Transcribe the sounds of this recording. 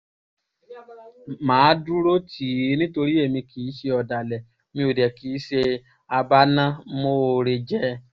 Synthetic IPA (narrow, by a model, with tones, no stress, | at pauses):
mãː˨˦du˦ɾo˦tʰi˨˦nĩ˦to˧ɾi˦e˦˨mĩ˧kʰi˨˦ʃe˧ɔ˧da˨lɛ˨ | mĩ˧o˨dɛ˨ki˨˦ʃe˧ | a˧ba˦nã˦mo˦˨ɾe˧d͡ʒɛ˦